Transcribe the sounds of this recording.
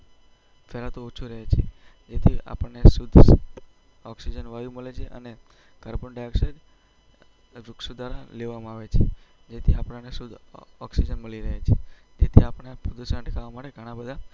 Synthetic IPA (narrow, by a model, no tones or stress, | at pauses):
felat̪out͡ʃʰuɾəɦet͡ʃʰe | d͡ʒet̪ʰia̰pəɳːesud̪ʱs | ɔksid͡ʒənʋajũməlet͡ʃʰeʔə̰ne | kəɾbəɳɖaksed͡ʒ | ɾuksud̪ʱaɾaleʋamaaʋet͡ʃʰed͡ʒet̪ʰiapɽ̃anesud̪ʱɔksid͡ʒənməliɾəɦet͡ʃʰed͡ʒet̪ʰiapɽ̃epud̪sə̃ɳʈkaʋamaʈeɡʱəɽ̃abəd̪ʱa